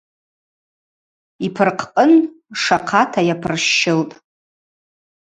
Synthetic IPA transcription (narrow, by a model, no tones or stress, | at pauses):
ipʰɨrqʰqʼənʂaqʰatʰajapʰɨrʃːɪltʼ